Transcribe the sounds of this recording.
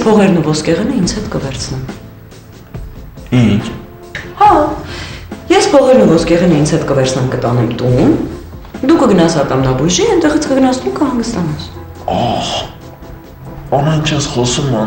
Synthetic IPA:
pʰɔʁɛɾnuvɔskɛʁɛnəint͡sʰhɛt̪kəvɛɾt͡sʰnɛm | int͡ʃʰ | hɑ | jɛspʰɔʁɛɾnuvɔskɛʁɛnəint͡sʰhɛt̪kəvɛɾt͡sʰnɛmkət̪ɑnɛmt̪und̪ukəɡənɑsɑt̪ɑmnɑbuʒiɛnt̪ɛʁit͡sʰkəɡənɑsnumkʰəhɑŋɡəst̪ɑnɛs | ɑχ | ɑnɑjnt͡ʃʰɛsχɔsum

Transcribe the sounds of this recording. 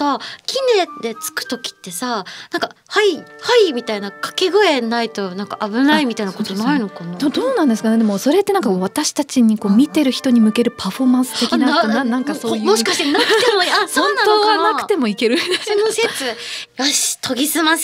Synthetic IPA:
akʲʰined̪e̞t͡sɨ̥kɯ̥t̪o̞kʲi̥t̪ːe̞sanãŋkahaihaimʲit̪ainakḁkeɡoe̞nait̪o̞nãŋkaʔabɯ̟naimʲit̪ainakot̪onaino̞kanad̪emod̪o̞ːnãnd̪esɨ̥kaned̪emo̞so̞ɾe̞t̪ːe̞naŋkaoːβat̪aɕi̥t̪at͡ɕiɲ̟iko̞ːmʲit̪e̞ɾɯ̟çi̥t̪o̞ɲ̟imɯ̟ke̞ɾɯ̟pʰaɸo̞mãsɨ̥t̪e̞kʲnaoanãŋkasojmoɕikaɕi̥t̪enakɯ̥t̪emoasonãoːɡanakɯt̪e̞mo̞ike̞ɾɯ̟nd̪esnoset͡sɨjaɕi̥t̪ʰo̞ɡʲisɨmas

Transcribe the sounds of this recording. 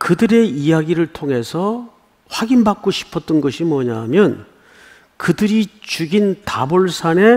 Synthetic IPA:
kɯdɯɾe̞ijaɡiɾɯɭtʰoŋɦe̞sʰʌ | ɸwaɡinbak͈̚oɕʰi̥pʰʌt͈̚ʌnɡʌɕʰimwʌɲamjʌn | kɯdɯɾit͡ɕuɡinta̰boɭsʰane̞

